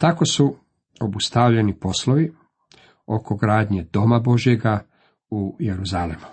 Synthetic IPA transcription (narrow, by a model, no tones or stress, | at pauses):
t̪ako̞su | obust̪aʋʎenipo̞sloʋi | o̞ko̞ɡɾaːd̪ɲe̞d̪o̞mabo̞ʒje̞ɡa | ujeɾuzalemu